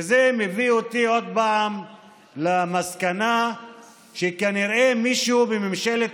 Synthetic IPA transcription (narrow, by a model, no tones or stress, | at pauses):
zemeviot̪io̞d̪̚paam | lamaskana | ʃekaniɾʔemiʃubemimʃelet̪